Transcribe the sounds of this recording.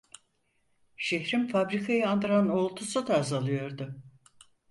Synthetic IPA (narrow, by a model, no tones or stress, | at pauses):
ʃeçɾimfabɾikʰajɯand̪ɯɾano̞lˠt̪ʰusud̪aːzalˠɯjo̞ɾd̪ʊ